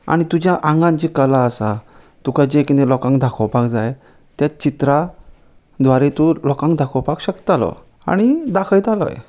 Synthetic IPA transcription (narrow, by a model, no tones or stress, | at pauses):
a̰ɽ̃it̪ud͡ʑjaʔãŋɡãɲt͡ɕikəlaəsa | t̪ukajd͡ʑekinelɔkãŋkd̪ʱakʰɔwpakd͡zaj | t̪jat͡ɕit̪ɾa | d̪ʋaɾet̪ulɔkãŋkd̪ʱakʰəwpakɕəkt̪alɔ̰ | a̰ɽ̃id̪akʰəjt̪alɔ̰j